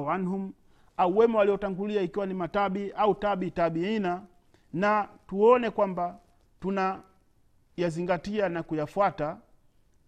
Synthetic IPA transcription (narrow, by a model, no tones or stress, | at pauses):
anɦum | auwɛmɔwaliɔtaŋɡuliaikiwanimataɓiautaɓitaɓiina | natuɔnɛkwamba | tuna | jaziŋɡatianakujafwata